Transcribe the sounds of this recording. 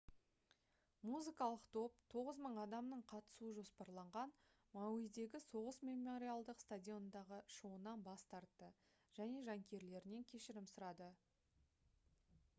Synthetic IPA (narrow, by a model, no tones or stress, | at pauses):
muzɨkɑlˠəqt̪ʰo̞p̚t̪ʰo̞ʁəzməɴɑd̪ɑmnəɴqʰɑt̪ə̥suəʒo̞spɑɾlˠɑɴʁɑn | mɑwijd̪e̞ɡʲɪso̞ʁəsmʲe̞mːoɾʲijalˠd̪əqst̪adʲio̞nnd̪ɑʁəʃowənɑnbɑst̪ɑɾt̪ːə | ʒ̥æne̞ʒɑŋkʲʰe̞ɾle̞ɾɪne̞ŋkʲʰe̞ʃɪɾɪmsʊɾɑd̪ə